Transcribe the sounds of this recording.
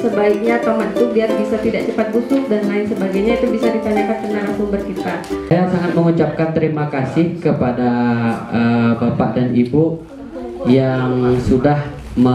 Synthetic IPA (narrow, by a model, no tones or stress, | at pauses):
səbaik̚ɲat̪aɦanit̪uliarbisat̪idaʔt͡ʃəpat̪̚busʊk̚danːaɪnsəbaɡajɲait̪ubisadit̪anakank̪ənalaŋsuŋbərkit̪aajasaŋat̪̚məŋut͡ʃap̚kant̪əɾimakasɪhkəpadaəbapaʔdanibu | jaŋsudah | mə